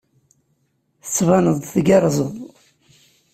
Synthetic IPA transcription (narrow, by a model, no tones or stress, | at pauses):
θə̥t͡sːvɑnəðˤθɡɑɾˤzˤəðˤ